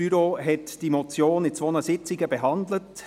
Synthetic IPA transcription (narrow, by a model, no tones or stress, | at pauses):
yɾoɦɛtd̥iːmot͡sjoːnɪt͡sʋonəsɪt͡sɪɡəbeɦɑndlət